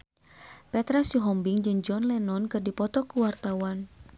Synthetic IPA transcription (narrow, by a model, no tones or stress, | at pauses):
pɛt̪ɾasuɦɔmbiŋd͡ʒɨŋd͡ʒɔnlɛnɔnkɨrdipɔt̪ɔkuwart̪awan